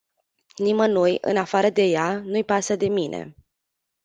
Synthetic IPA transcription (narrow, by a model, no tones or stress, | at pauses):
nimənojɨ̰nafaɾəd̪e̞janujpasəd̪e̞minʔḛ